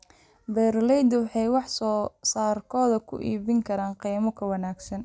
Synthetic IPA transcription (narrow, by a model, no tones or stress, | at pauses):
bɛɾlɛjd̪wɑħɑjwɑħsɔːsaːrkʰɔːðɐkʰʊ̰ʔḭːβɪŋkʰɐɾaːnqiːmɔkʰɐwɐnaːɡsɐn